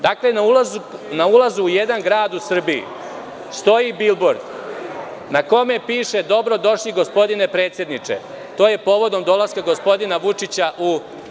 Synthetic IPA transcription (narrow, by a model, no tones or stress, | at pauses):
d̪aklenaulazunaulazuːjed̪anɡɾaːd̪usr̩biḭ | st̪o̞jibilboɾd̪ | nako̞me̞piːʃe̞d̪o̞bɾo̞d̪o̞ʃliɡospo̞d̪ine̞pɾet̪sje̞d̪nit͡ʂe̞̰ | t̪o̞ːje̞po̞ːʋo̞d̪o̞md̪o̞laskaɡospo̞d̪inaʋut͡ʂit͡ɕaʔu